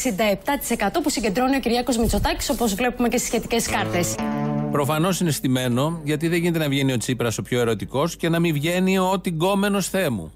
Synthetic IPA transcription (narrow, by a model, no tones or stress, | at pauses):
sind̪ɐe̞p̚t̪ɐt̪i̥se̞kɐt̪o̞pusiɲɟe̞nd̪ɾo̞niociɾʝɐko̞zmit͡so̞t̪ɐci̥so̞po̞zvle̞pumecesi̥sçet̪ice̞skɐɾt̪e̞spɾo̞fɐno̞sːinest̪ime̞no̞ʝɐt̪iðeʝine̞t̪enɐvʝenio̞t͡sipɾɐso̞pço̞e̞ɾo̞t̪iko̞sce̞nɐmivʝe̞niot̪iɡo̞me̞no̞sθe̞mṵ